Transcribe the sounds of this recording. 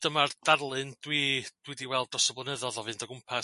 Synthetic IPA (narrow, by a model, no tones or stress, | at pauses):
d̥əmard̥arlˠɨndwid̥widiwɛlˠdɔsəblˠənəðɔðɔvɨndəɡʊmpʰa